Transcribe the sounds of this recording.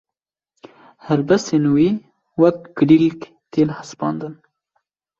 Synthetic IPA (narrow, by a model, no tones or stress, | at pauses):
haɾbasenuwi | wɐk̚ɡɖilk | t̪eːlhaspɑ̰ːnd̪ən